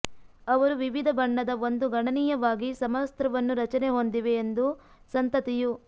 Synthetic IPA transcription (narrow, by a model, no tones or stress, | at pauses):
ɐʋɐɾuʋiʋid̪ʱɐbɐɳːɐd̪ɐo̞nd̪uɡɐɳɐniːjɐʋaːɡisɐmɐst̪ɾɐʋɐnːuɾɐt͡ʃɐneɦond̪iʋe̞ːnd̪u | sɐnt̪ɐt̪iju